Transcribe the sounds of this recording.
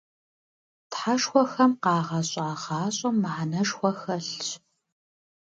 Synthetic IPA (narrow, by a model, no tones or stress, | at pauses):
tħaʂxʷɔxɐmqɑːʁɐɕʼɑːʁɑːɕʼɐmːaħanɐʂxʷɔxɐɬɕ